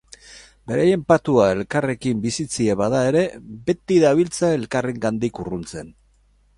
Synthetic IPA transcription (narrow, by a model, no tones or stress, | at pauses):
be̞ɾaje̞mpat̪uae̞lkare̞kimbisit͡sie̞βaðae̞ɾe̞be̞t̪iðaβ̞ilt͡sae̞lkareŋɡand̪ikurunt͡se̞n